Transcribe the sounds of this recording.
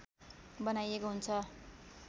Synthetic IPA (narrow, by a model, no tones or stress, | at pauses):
bʌnajekoɦunt͡sʰʌ